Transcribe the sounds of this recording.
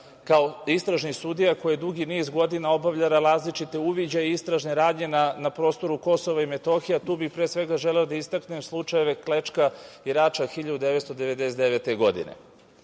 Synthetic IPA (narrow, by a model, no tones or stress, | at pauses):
kao̞ist̪ɾaʒnisud̪ijako̞jed̪uɡiniːzɡo̞d̪inao̞baʋʎaɾaɾaːzlit͡ʃit̪e̞uʋid͡ʑaist̪ɾaʒneɾaːd̪ɲe̞nanapɾo̞st̪o̞ɾuko̞so̞ʋaime̞t̪o̞xijat̪uːbixpɾesʋe̞ɡaʒeleod̪aist̪aknemslˠut͡ʃaje̞ʋe̞klet͡ʂkaiɾaːt͡ʃaxiʎad̪ud̪eʋet̪st̪od̪e̞ʋe̞d̪eset̪d̪eʋet̪eɡo̞d̪ḭnḛ